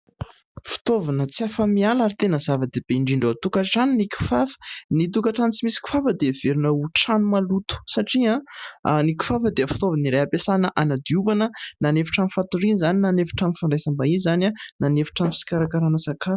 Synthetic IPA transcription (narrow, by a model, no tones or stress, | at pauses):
fi̥t̪ovanət͡siafəmialaɾit̪enəzavəd̪eb̥eɳɖ͡ʐiɳɖ͡ʐoat̪ukaʈ͡ʂaniniku̥fafə̥nit̪̬ukaʈ͡ʂanit͡simisi̥ki̥fafəd̪ev̥eɾinauʈ͡ʂanumalut̪u̥saʈ͡ʂiãniku̥fafəd̪eəfi̥t̪ovaniɾeapesanəʔanad̪iuvanənanefi̥ʈ͡ʂamifat̪uɾinizaninanefi̥ʈ͡ʂanifaɳɖ͡ʐejsambaizanananefi̥ʈ͡ʂamfi̥si̥kaɾakaɾanəsakafə̥